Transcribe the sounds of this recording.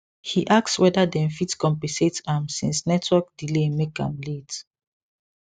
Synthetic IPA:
hiʔakswɛdadɛ̃nfitkɔ̃mpɛ̃setãmsḭ̃nsnɛtʰwɔk̚dilemekã̰mlet

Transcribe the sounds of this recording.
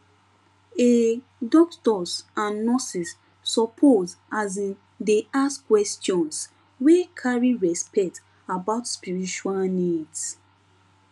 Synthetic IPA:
e | dɔk̚tɔsãnːɔsisː | ɔpʰozaz̬i | deʔaskwɛstjɔ̃ns | wekʰaɹiɹɛspɛt | abaʊtspiɹit͡ʃualnids

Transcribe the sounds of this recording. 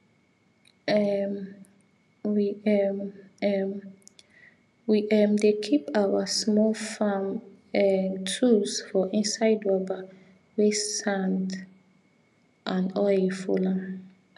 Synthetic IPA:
ɛ | wiɛmɛm | wiʔɛmdekʰipawasmɔlfãm | ɛtʰusfɔʔĩnsaɪdwɔba | wesãnt | ʔãnɔefula

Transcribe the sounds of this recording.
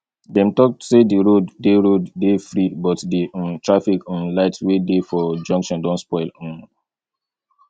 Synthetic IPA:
dɛ̃mtɔk̚tsediɹodːeɹodːefɹibɔtdeʔɔ̃ntɹafikʰɔ̃nlaɪtwedefɔd͡ʒɔ̃ŋkʃɔ̃ndɔ̃ntspɔɪlɔ̃n

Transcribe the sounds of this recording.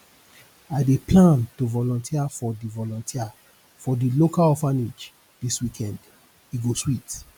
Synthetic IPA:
adeplãntovɔlɔ̃ntʰiafɔdivɔlɔ̃ntʰia | fɔdilokalɔfanid͡ʒ | diswikʰɛ̃nd | iɡoswit

